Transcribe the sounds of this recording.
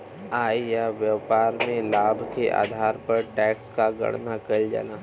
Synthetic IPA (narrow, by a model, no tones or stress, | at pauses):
aːijaʋjəpaːɾmẽlaːbʱkeʔa̰ːd̪ʱaːɾpɐɾʈɛːkskaɡɐ̰ɽnakɐld͡ʒa̰laː